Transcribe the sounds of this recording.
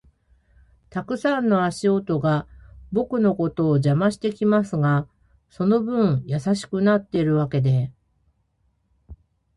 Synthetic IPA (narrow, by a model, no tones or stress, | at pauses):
t̪akɯ̟sãnːo̞aɕio̞t̪o̞ɡabo̞kɯ̟no̞ko̞t̪o̞ːʑamaɕi̥t̪e̞kʲimasɨɡa | so̞no̞bɯ̟̃ɰ̃jasaɕi̥kɯ̟nat̪ːe̞iɾɯ̟β̞ake̞d̪e̞